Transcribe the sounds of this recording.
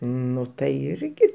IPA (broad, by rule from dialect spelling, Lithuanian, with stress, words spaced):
ˈnʊ tɐɪ ˈɪrʲɡʲɪ